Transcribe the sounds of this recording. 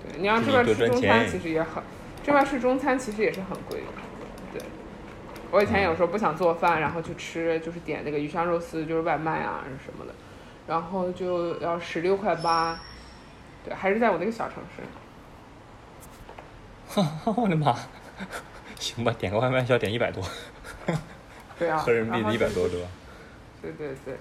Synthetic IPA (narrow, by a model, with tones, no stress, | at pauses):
t̪wḛ˥˩ɪni˨˩jɑ˥˧ʈ͡ʂʈ͡ʂ̩˥˧j̩˥˩˥ʊ˥ŋt͡sʰa˥nʰi˧˥ʂɻ̩˧˥jɛ˧˥xə˨˩n | ʈ͡ʂɤ˥˧wʂʰɻ̩˥˩ʈ͡ʂʊ˥ŋt͡sʰa˥nt͡ɕʰi˧˥ʂɻ̩˧˥jɛ˨˩ʂɻ̩˥˩xə˨˩nkwḛ˥˩ɪ˩ | t̪wḛ˥˩ɪ | wɔ˧˥i˨˩t͡sʰj̩˧˨˩pu˥˩ɕjɑ˨˩ŋt͡swɔ˥˧fa˥˩nɻa˧˥nxo˥˧ʊt͡ɕjo˥˧ʊʈ͡ʂʰɻ̩˥t͡ɕjo˥˧ʊʂɻ̩˥˩t̪jɛ̰˨˩nə˥˩ɡə˩y˧˩ʂɑ˥ŋɻo˥˩ʊsɹ̩˥t͡ɕjo˥˧ʊʂɻ̩˥wa˥˧ɪma˥˩ɪɐ̰˩˧˩ʂə̰˧˥nmə̰˧d̪ə̰˩ | ɻa˧˥nxo˥˧ʊt͡ɕjo˥˧ʊjɑ˥˩ʊʂɻ̩˧˥ljo˥˧ʊkʰwa˥˩ɪpa˥ | t̪we˥˩xʂɻ̩˥˧t͡sa˥˩w̪ɡə˧ɕjɑ˨˩ʊɤ̰˧˥ŋʂɻ̩̰˥˩ | ɔ˥˩xxa˥˩lə˥˩ma˧ | ɕi˧˥ŋba˧˩t̪jɛ˨˩kə˥kʰwa˥˧m˥˧ɕt̪jɛ˨˩ni˥˩pa˨˩ɪt̪wɔ˥ | e˥˧˩xɻə˧˥npi˥˩˧i˥˩pa˨˩ɪt̪wɔ˥t̪wɛ˥˩a˩ | t̪we˥˧ɪt̪we˥˧ɪt̪we˥˩ɪ